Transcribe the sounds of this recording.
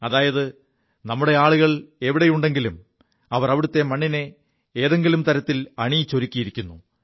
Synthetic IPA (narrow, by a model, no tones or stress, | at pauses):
ɐðaːjɐðɨ | nɐmːuɽe̞aːɭuɣɐɭe̞ʋiɽejuɳɖe̞ŋɡilum | ɐʋɐrɐʋiɽut̪ːe̞mɐɳːine | eːðe̞ŋɡilumt̪ɐɾɐt̪ːilɐɳijt͡ɕːo̞ɾikʲːijiɾikʲːunːu